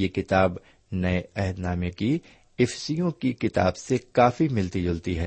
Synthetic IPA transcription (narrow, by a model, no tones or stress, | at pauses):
jekɪt̪aːb | nɐeɛɦd̪naːmeki | ɪfsijõkikɪt̪a̰ːbsekaːfimɪlt̪id͡ʒʊlt̪iɦɛ